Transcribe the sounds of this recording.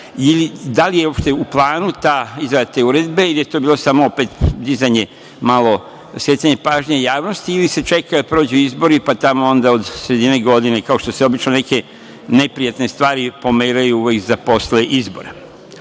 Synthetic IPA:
ilid̪alijeo̞pʃt̪e̞uplˠaːnut̪aizajat̪neuɾe̞d̪be̞ilije̞t̪oːbiːlˠo̞samoope̞t̪d̪izajɲe̞ | malo̞ | sjeaɲepaʒɲejaːʋno̞st̪iilise̞t͡ʃe̞kad̪apɾo̞ːd͡ʑuizbo̞ɾipat̪amo̞o̞nd̪aod̪sɾe̞d̪ineɡo̞d̪inekao̞ʃt̪o̞se̞o̞bit͡ʃnone̞ke̞ | ne̞pɾijat̪ne̞st̪ʋaːɾipo̞meːɾajuuʋekzapo̞sleʔizbo̞̰ɾe

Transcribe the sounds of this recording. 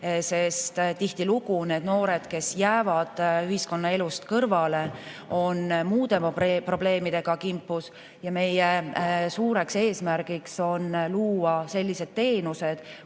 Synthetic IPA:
se̞st̪t̪iht̪iluɡune̞ːd̪no̞ːɾe̞d̪̥ke̞sjæːvɑd̪̥yɦisko̞nːɑe̞lust̪kɤrvɑle̞ | o̞nmuːd̪e̞pro̞b̥le̞ːmid̪̥e̞ɡ̥ɑkimpːˑus | jɑme̞jesuːɾe̞kse̞ːsmæɾɡ̥ikso̞nluːɑse̞lʲːise̞d̪̥̚t̪e̞ːnuse̞d̪̥

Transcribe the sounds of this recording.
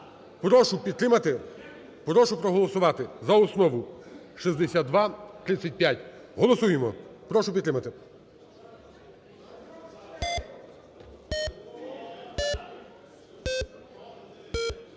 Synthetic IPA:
pɾɔʃʊpʲid̪t̪ɾɪmɐt̪ɪ | pɾɔʃʊpɾɔɦɔlˠɔsʊʋɑt̪ɪzɐɔsnɔʋʊ | ʃizd̪esʲad̪d̪ʋɑt̪ɾɪt͡sʲsʲːɐt̚ʲpʲjatʲɦɔlˠɔsujemɔpɾɔʃʊpʲid̪ɾɪmɐt̪ɪ

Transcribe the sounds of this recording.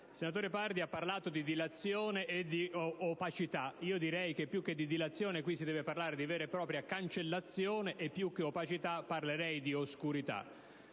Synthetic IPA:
senat̪oːɾepard̪iapːarlaːt̪od̪id̪ilat̪sːjoːneʔːd̪iopat͡ʃit̪aiːod̪iɾɛjk̟epːjukːed̪ːid̪ilat̪sːjoːnekwisːid̪ɛːveparlaːɾed̪ivɛːɾepɾɔːpɾjakant͡ʃelːat̪sːjoːneʔːpːjukːeopat͡ʃit̪apːarleɾɛjd̪ioskuɾit̪a̰

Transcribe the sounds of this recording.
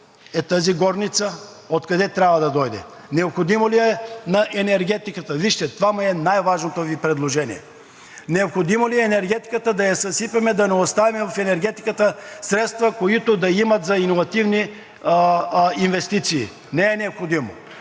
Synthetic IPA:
ɛt̪aziɡɔɾnit̪sə | ot̪kɐd̪ɛt̪ɾʲabvɐd̪ɐd̪ɔjd̪ɛ̰ | nɛopxod̪imoliɛnɐʔɛnɛɾɡʲɛt̪ikət̪əviʃt̪ɛt̪ovamuɛnajvaʒnot̪ovipɾɛd̪lˠoʒɛnḭjɛ̰ | nɛopxod̪imoliɛːnɛɾɡʲɛt̪i̥kət̪əd̪ɐjɐsɐsipɐmɛd̪ɐnɛot̪st̪avimɛvɐfɛnɛɾɡʲɛt̪ikət̪əsɾɛt̪st̪vɐkoit̪od̪ɐimɐt̪zɐinovɐt̪ivni | invɛst̪it̪sḭː | nɛɛnɛopxod̪imo̰

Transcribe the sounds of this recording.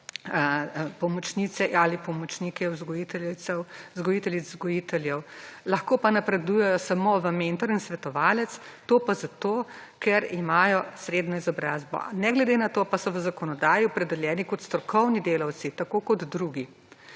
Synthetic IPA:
pɔmɔt͡ʃnit̪sɛalipɔmɔt͡ʃnikɛuzɡɔjit̪ɛwzɡɔjit̪ɛlizzɡɔjit̪ɛljɛwlɐxkoːpanapɾɛd̪ujɛjɔsamoʋəment̪ɔɾinsʋɛt̪ɔʋaːlɛt̪st̪opazat̪okɛɾimaːjɔsɾeːd̪nɔizɔbɾaːzbɔ̰nɛɡlɛd̪enat̪opasɔʋəzakɔnɔd̪aːjiɔpɾɛd̪ɛljɛːnikɔt̪st̪ɾɔkʰɔwnid̪eːlɐwt̪sit̪akoːkɔd̪ːɾuɡi

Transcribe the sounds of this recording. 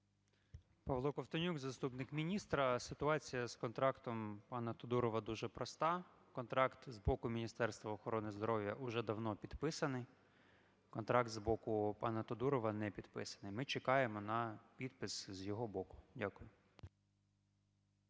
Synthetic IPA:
pɐʋlˠɔkɔwt̪ɔnʲuɡzɐst̪upnɪkmʲinʲist̪ɾɐsɪt̪ʊɑt͡sʲijɐskɔnt̪ɾɑkt̪ɔmpɑnɐt̪ɔd̪uɾɔʋɐd̪uʒɛpɾɔst̪ɑ | kɔnt̪ɾɑkt̪zbɔkʊmʲinʲist̪ɛrst̪ʋɐɔxɔɾɔnɪzd̪ɔɾɔwjɐʔʊʒɛd̪ɐwnɔpʲid̪pɪsɐnɪj | kɔnt̪ɾɑk̚t̪zbɔkʊpɑnɐt̪ɔd̪uɾɔʋɐnɛpʲid̪̥pɪ̰sɐ̥nɪjmɪt͡ʃekɑjemɔnɐpʲid̪pɪszjɔɦɔbɔkʊ̥dʲakʊjʊ

